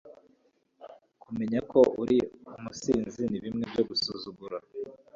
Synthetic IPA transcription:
kume̞ɲako̞ʔuɾiumusiːnziniβimŋebjo̞ɡusuzuɡuɾa

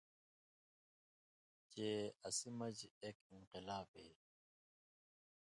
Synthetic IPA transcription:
t͡ɕeːɐsimɐd͡ʑeːkinqɪlaːbḛː

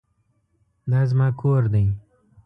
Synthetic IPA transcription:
d̪aːzmaːkʰoːɾd̪ĩ

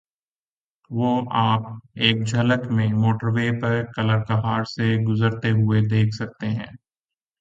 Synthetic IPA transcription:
ʋoːʔaːp̚eːk̚d͡ʒʱɐləkmẽmoːʈəɾʋeːpɐɾkɐləɾkɐɦaːɾseɡʊzəɾt̪eɦʊed̪eːkʰsɐk̚t̪eɦɛ̃ː

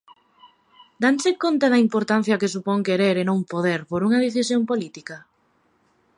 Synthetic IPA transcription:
d̪ansekont̪aðɐimpoɾt̪an̟θjɐkesupoŋkeɾeɾenõŋpoðeɾpoɾuŋɐð̞eθisjompolit̪ikɐ

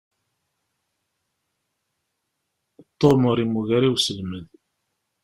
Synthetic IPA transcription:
t̪ˤːoməɾˤimuʝæɾiwsəlmən

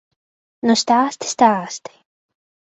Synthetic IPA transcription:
nɔst̪aːst̪st̪aːst̪ɪ̥

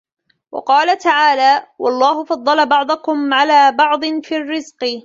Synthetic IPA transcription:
wʔɑ̰qɑːlat̪aʕaːlaːwʔɑlˤːɑːhʊfɑd̪ˤːɑlabɑʕd̪ˤʊkʊmʕalaːbɑʕd̪ˤnfiːrːɪzqɨ

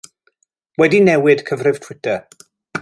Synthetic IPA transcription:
wɛdinɛwɪd̥kʰəvrɨv̥tʰwɪtʰə

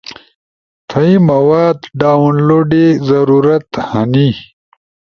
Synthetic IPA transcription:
t̪ʰɐimɐwaːd̪ɖaːwunloːɖezɐɾuɾɐt̪hɐni

